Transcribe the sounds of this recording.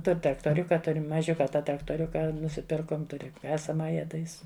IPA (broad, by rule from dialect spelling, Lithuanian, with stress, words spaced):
ˈtʊrʲ trɐktoːˈrʲʊkɐ ˈtʊrʲ mɐˈʒʲʊkɐ ˈtɑː trɐktoːˈrʲʊkɐ nʊsʲɪˈpʲɪrkoːm ˈtʊrʲɪ ˈkɑːsɐmɐjɛ tɐɪ ˈɪs